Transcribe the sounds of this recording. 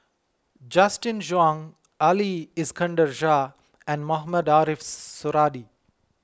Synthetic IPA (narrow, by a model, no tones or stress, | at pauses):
d͡ʒasʈĩnʒãŋ | aliɪskʰə̃ɳɖəɾʒa | ɛ̃nɖmaɦmədaːɾifsʊɾaːɖi